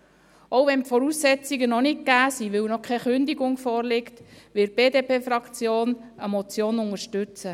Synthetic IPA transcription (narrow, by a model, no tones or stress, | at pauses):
oʊvɛnpfɔɾuːsːɛt͡siɡənɔnɪk̚kæːsiʋɪwnɔkʰɛχʏnd̪iɡʊŋfɔːɾlɪktʋɪt̚b̥eːdeːpeːfrɑkt͡sjoːnəmɔt͡sjoːnʊŋəɾʃtʏt͡sə